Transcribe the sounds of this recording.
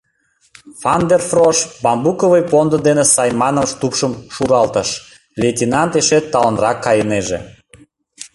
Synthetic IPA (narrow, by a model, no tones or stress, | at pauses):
fɑnd̪erfroʃbɑmbukovəjpond̪ɤd̪enesɑjmɑnəmʃt̪upʃəmʃuɾɑlt̪əʃ | lʲetʲinɑnt̪eʃet̪ːɑlənrɑkːɑjəneʒḛ